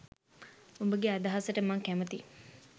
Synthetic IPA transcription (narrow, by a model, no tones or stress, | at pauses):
umbəɡead̪aɦasəʈəmaŋkæmət̪i